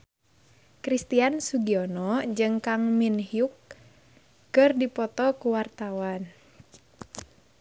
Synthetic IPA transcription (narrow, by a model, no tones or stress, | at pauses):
kɾist̪iansuɡiɔnɔd͡ʒɨŋkaŋminhjukː | ɨrdipɔt̪ɔkuwart̪awan